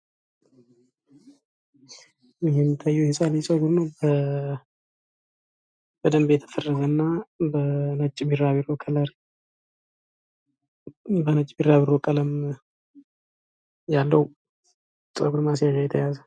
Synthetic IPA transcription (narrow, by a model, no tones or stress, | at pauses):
jɪhɛmt̪ʰajːujɛhesʼalisʼəɡuɾnəwbə | b̥əd̪əmbjɛt̪ʰə̥fərːəzənːabənət͡ʃʼːbiraβiɾokʰʼələɾ | bənət͡ʃʼbiɾaβiɾokʼələm | jalːəwu | sʼəɡuɾmasjaʒajɛt̪ʰːəjazə